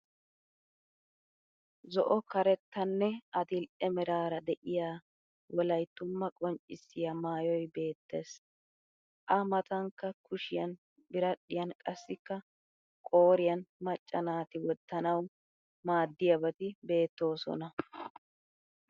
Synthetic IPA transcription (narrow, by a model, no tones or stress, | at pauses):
zɔʔɔkɐɾɛt̪ːɐnːɛɐd̪ɪlʔɛmɛɾaːɾɐd̪ɛʔɪjaː | wɔlɐjt̪ːʊmːɐkʼɔnt͡ʃʼɪsɪjɐmaːjɔjbe̞ːt̪ːe̞ːs | ʔɐmɐt̪ɐŋkːɐkʰʊʃɪjɐn | bɪɾɐɗɪjɐnkʼɐsːɪkːɐ | kʼo̞ːɾɪjɐnmɐt͡ʃʼːɐnaːt̪ɪwɔd̪ːɐnɐw | maːd̪ːɪjɐbɐt̪ɪbe̞ːt̪ːo̞ːsɔ̰nɐ